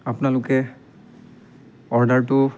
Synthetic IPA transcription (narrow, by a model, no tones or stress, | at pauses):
apnalʊkɛ | ɔɹdaɹtʊ